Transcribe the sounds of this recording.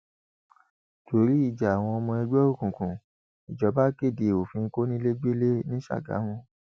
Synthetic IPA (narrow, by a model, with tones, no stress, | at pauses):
to˨˦ɾi˦i˦˨d͡ʒa˨a˨w̃ɔ̃˧ɔ˧mɔ̃˧ɛ˧d͡ʒɛ˦o˦˨kũ˨kũ˨ | i˨d͡ʒɔ˨˦ba˦ke˦˨de˨o˨fĩ˧ŋ̩˦ko˦nĩ˦le˦ɡ͡be˦le˦nĩ˦ʃa̰˦˨ɡa̰˨˦hũ˦